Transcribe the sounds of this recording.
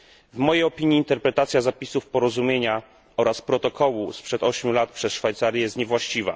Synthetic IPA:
vmɔjejɔpʲiɲiːnt̪ɛɾpɾɛt̪at̪sʲjazapʲisufpɔɾɔzumʲjeɲa | ɔɾaspɾɔt̪ɔkɔwuspʂɛt̪ɔɕmʲulat̪̚pʂɛsʂfajt̪saɾʲjɛjɛst̪ɲɛvwaɕt͡ɕiva̰

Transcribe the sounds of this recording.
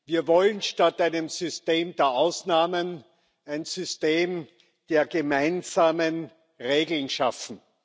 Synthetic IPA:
viːɐvɔlənʃtatʔæɪnəmzʏsteːmd̥eːɐʔaʊsnaːmən | æɪnzʏsteːm | d̥eːɐɡemaɪnzaːmən | ʁeːɡl̩nʃafn̩

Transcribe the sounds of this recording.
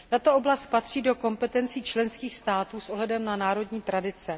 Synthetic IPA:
t̪at̪o̞ʔo̞blast̪̚pat̪r̝̥iːdo̞ko̞mpɛt̪ɛnt͡siːt͡ʃlɛnskiːxst̪aːt̪uːsʔoɦlɛdɛmnanaːɾo̞dɲiːt̪ɾadɪt͡sɛ

